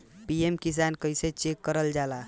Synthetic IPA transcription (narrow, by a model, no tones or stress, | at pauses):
piemkis̬ankəjset͡ʃekːəɾəld͡ʒala